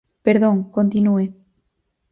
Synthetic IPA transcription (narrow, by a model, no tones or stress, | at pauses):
peɾðoŋkont̪inue